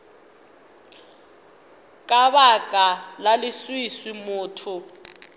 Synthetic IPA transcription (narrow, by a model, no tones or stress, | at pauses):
kʼaβakʼalaliswiswimuːtʰu